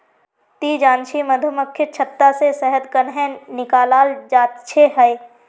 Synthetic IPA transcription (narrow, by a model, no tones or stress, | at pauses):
t̪iːd͡ʒãːnt͡ʃʰimɐd̪ʱʊməkʰjɪt͡ʃʰɐt̪ːasesɛɦəd̪kənɦɛ̃nɪkaːlaːld͡ʒaːt̪t͡ʃʰeɦɐj